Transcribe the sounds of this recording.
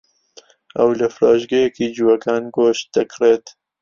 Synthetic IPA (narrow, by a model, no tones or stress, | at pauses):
ʔɐ̰wlɐfɾɑːʒɡɐjɛkiːd͡ʒuwɐkɑːnɡoːʃt̪̚d̪̥ɐkreːt̪